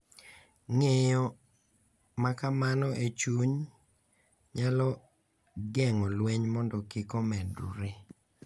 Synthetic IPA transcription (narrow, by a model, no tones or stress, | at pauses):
ŋejɔ | makamanɔʔet͡ʃuɲ | ɲalɔ | ɡɛŋɔlweɲmɔndɔkikɔmɛdṵɾe